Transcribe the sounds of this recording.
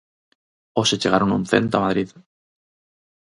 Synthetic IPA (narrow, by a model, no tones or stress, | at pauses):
oset͡ʃeɣ̞aɾonũnθḛ̃nt̪oamað̞ɾið